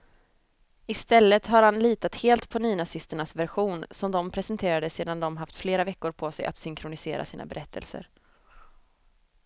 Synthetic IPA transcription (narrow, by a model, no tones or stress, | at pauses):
ɪst̪ɛlːət̪ɦaɾhanliːt̪at̪heːlt̪pʰɔnyːnasɪst̪əɳasvæɾɧuːnsɔmd̪ɔmpʰɾɛsɛnt̪ʰeːɾad̪əseːd̪and̪ɔmɦaft̪fleːɾavɛkːʊɾpʰɔsɛjʔa̰t̪sʏŋkʰɾʊnɪsḛːɾʔa̰siːna̰bɛɾʔɛt̪ʰːə̰lsə̰ɾ